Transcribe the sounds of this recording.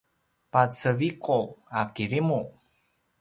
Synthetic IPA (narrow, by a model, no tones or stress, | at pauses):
pat͡səvikoakiɾimu